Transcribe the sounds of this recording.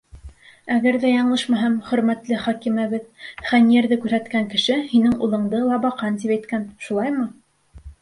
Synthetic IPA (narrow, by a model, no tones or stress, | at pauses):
æɡæɾðæjɑɴlˠɤʃmæɦɤmχɵ̆ɾmæt̪lɘχɑkimæβɘðχænijeɾðɘkʉɾhæt̪kæŋkɘ̆ʃɘhinɘŋulˠɤ̆ɴd̪ɤlˠɑbɑqɑnt̪̬ipæjt̪kænʃulˠɑjmɤ